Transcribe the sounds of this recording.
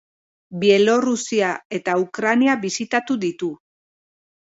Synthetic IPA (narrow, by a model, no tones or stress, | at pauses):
bie̞lo̞rusiae̞t̪aukɾaniaβisit̪at̪uðit̪u